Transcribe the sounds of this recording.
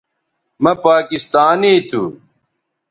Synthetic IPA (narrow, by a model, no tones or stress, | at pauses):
mɐpaːkist̪aːniːt̪ʰṵ